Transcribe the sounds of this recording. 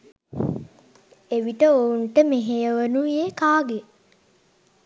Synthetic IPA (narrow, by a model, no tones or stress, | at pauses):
eʋiʈəouɳʈəmeɦejəʋənuʋeːkaːɡe